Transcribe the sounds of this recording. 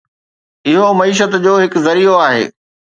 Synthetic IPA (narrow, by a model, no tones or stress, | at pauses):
ɪɦomɐiːʃ̬ət̪d͡ʑoːɦɪkzɐɾioaːɦḛː